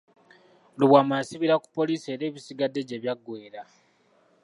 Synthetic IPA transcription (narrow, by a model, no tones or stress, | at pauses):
luβwaːmasiβiɾaku̥pːo̞liːsie̞ːɾe̞ːβisiɡadːe̞ɟe̞βjaɡːwe̞ːɾa